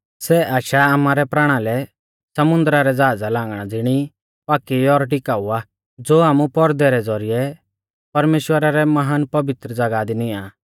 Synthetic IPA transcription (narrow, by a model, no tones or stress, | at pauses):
sɛʔaːʃaaːmaːɾɛpɾaːɽ̃alɛ | sɐmʊ̃nd̪ɾaɾɛd͡zaːd͡zalãːŋɡɽ̃ad͡zɪɽ̃i | paːkiɔɾʈɪkaːua | d͡zoːaːmupɔɾd̪ɛɾɛd͡zɔɾijɛ | pɐɾmeːʃwəɾaɾɛmɐɦaːnpɐbɪt̪ɾəd͡zɐɡaːd̪inɪ̃aː